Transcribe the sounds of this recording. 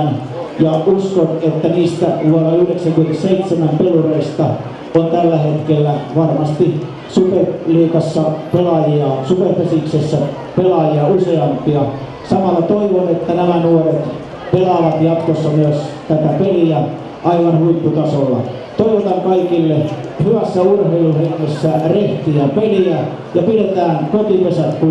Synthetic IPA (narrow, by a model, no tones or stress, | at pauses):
n | jɑuskonet̪ːæniːst̪æʋuɑnɑyhleksæŋkyment̪seit̪semæmpelureist̪ɑ | ont̪ælːæhet̪kelːæʋɑrmɑst̪i | superliːkɑsːɑpelɑjiɑsuperpesiksesːæ | pelɑjɑuseɑmpiɑ | sɑmɑlːɑt̪oiʋonet̪ːænæmænuoret̪ | pelɑʋɑt̪jɑt̪kosːɑmyøst̪æt̪æpeliæ | ʔɑiʋɑnhuit̪ːut̪ɑsolːɑ̰ | t̪oiʋot̪ɑŋkɑikilːehyʋæsːæurheiluhiæmːesːæreht̪iæpeliæ | jɑpidet̪æːnkot̪ipesæt̪ku